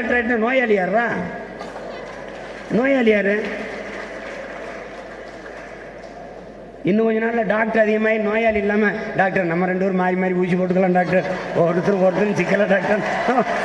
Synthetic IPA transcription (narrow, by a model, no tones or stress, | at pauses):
ak̚ʈɐɾeʈːɯnoːjaːlɪjaːɾʋaː | noːjaːlɪjaːɾɯ | ɪnːɯkɔɲd͡ʒɐnaːʈɪlɐɖaːk̚ʈɐɾɐðɪɣɐmaːɪnoːjaːlɪɪlːaːmɐɖaːk̚ʈɐɾɐnɐmːɐɾɛɳɖɯʋɐɾɯmaːɾimaːd̪ɾiuːsipoːʈːɯkːɐɭlãːmɖaːk̚ʈɐɾɔɾɯt̪ːɯɾʊ̃ɔɾɯt̪ːɯnt͡ʃɪkːɐlaːɖaːk̚ʈɐɾ | o